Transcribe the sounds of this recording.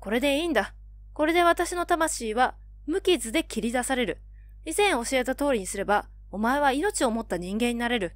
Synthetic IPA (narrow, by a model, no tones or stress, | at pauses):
ko̞ɾe̞d̪e̞iːnd̪a | ko̞ɾe̞d̪e̞βat̪aɕino̞t̪amaɕiːβa | mɯ̟kʲizɨd̪e̞kʲiɾʲid̪asaɾe̞ɾɯ̟ | izẽ̞ɰ̃o̞ɕie̞t̪at̪o̞ːɾʲiɲ̟isɨɾe̞ba | o̞mae̞βaino̞t͡ɕio̞mo̞t̪ːaɲ̟ĩŋɡẽ̞ɲ̟inaɾe̞ɾɯ̟